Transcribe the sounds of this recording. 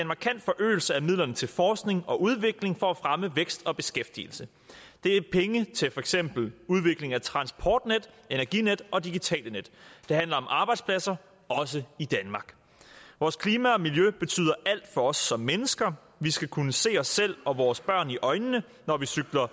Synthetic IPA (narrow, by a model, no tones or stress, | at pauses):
e̝nmɑ̈kʰæn̰d̥fɒ̽ʔø̰ːl̩səæmið̰ˠlɐnət͡sʰe̝lfɒːsɡ̥ne̝ŋɒ̽ʔuð̞ˠʋe̝ɡ̥le̝ŋfɒ̽æfʁaməʋeɡ̥sd̥ɒ̽b̥e̝sɡ̥efd̥ḭlsə | d̥e̝æpʰeŋət͡sʰe̝lfɒ̽eɡ̥sem̰b̥l̩uð̞ˠʋe̝ɡ̥le̝ŋæt͡sʰʁɑ̈nsb̥ʰɒ̰ːd̥ned̥ | e̝næɐɡ̥ḭːned̥ɒ̽d̥iɡ̥it͡sʰɛ̰ːləned̥d̥e̝ɦænlɐɒ̽mʔɑ̈ːb̥ɑ̈ɪd̥spʰlæsɐ | ɒ̽s̬əid̥ænmɑ̈ɡ̥ | ʋɒːskʰliːmæɒ̽miljøb̥e̝t͡sʰy̰ːð̰ˠɐʔæl̰d̥fɒ̽ɒ̽sːɒ̽mːenəsɡ̥ɐ | ʋisɡ̥ækʰunəse̝̰ːɒsel̰ɒ̽ʋɒːsb̥ɶɐ̰niʔɒ̽ɪnːə | nɒʋisyɡ̥lɐ